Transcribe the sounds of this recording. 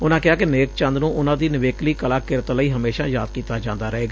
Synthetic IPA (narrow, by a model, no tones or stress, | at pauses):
ʊnãːkɪaːkɪneːk̚t͡ʃə̃nd̪nũːʔʊnãːd̪iːnɪʋeːkliːkəlaːkɪɾət̪ləiːɦəmeːʃãːja̰ːd̪̚kiːt̪aːd͡ʒãːnd̪aːɾəɦeːɡaː